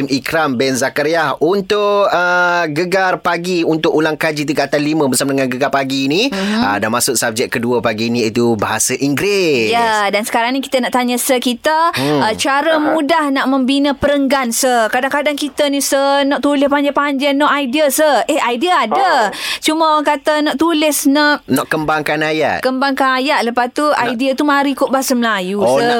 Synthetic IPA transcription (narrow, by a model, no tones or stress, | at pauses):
mikɾambɛnzakaɾiahunt̪ʊkəɡəɡarpaɡiunt̪ʊkulaŋkad͡ʒit̪̬iɡat̪alimə̃bəsamadəŋanɡəɡarpaɡiːniədanmasʊʔ̚sap̚d͡ʒɛʔ̚kəduəpaɡiniit̪ubaɦasaʔiŋɡɾɪjadansə̥kaɾaŋnĩki̥t̪ənaʔt̪aɲəsəkit̪əət͡ʃaɾəmudahnaʔmə̃mbinə̃pəɾəŋɡansəhkadaŋkadaŋkit̪ənĩsənɔʔt̪ulɪspaɲd͡ʒapaɲd͡ʒanɔʔajdiasəhehajdiaːdat͡ʃuməoaŋkat̪ənɔʔt̪ulɪsnaʔnɔʔkːəmbaŋkanaja̰ʔ̪̚kəmbaŋkanajaʔ̪̚ləpast̪uajdiat̪umaɾikʊʔbaɦasəməlajusə